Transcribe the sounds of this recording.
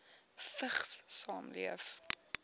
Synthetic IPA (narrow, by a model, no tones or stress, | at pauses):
fəχssɑːmlḭəf